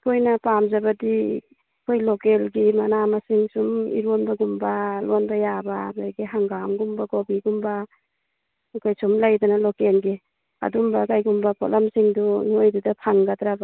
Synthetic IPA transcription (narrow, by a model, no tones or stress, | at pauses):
pʰojnapamzabadi | kʰojlɔkelɡimanamasiŋsumḭɾonbaɡumbalɔnbajabaɡajɡiɦaŋɡamɡumbaɡobiɡumba | ukʰajsumlajdanalɔkelɡi | a̰dumbakajɡumbapʰɔ̰lamsiŋdunojdudapʰaŋɡatɾaba